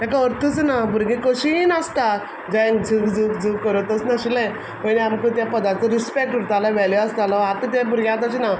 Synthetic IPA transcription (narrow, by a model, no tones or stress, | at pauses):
t̪akaəɾt̪ʰət͡snabuɾɡẽkəɕinast̪a | d͡ʑãd͡zukd͡zukd͡zukkəɾət̪ɔsnaɕilɛ̃ | məniamkũt̪japəd̪at͡səɾispek̚ʈəɾt̪ʰalaʋɛljɔast̪alɔat̪ət̪jabuɾɡjãat̪at͡ɕina